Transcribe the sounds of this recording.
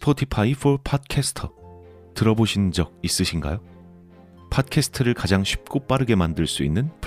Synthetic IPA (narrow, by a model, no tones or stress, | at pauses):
spʰʌtʰipʰaifʰopʰat̚kʰesʰɯ̥tʰʌ | tɯɾʌboɕʰind͡ʑʌɡ̚is͈ɯɕʰinɡa̰jo | pʰat̚kʰesʰɯ̥tʰɯɾɯɭkad͡ʑaŋɕʰɥi̥p̚k͈op͈aɾɯɡe̞mandɯɭs͈uinːɯnp